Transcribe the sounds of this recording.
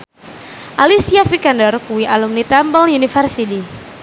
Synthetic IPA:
ʔalisiafikandɔrkuwiʔalumnit̪ambəlunifərsidi

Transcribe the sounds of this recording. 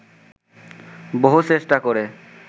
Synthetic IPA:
boɦut͡ɕesʈakoɾe

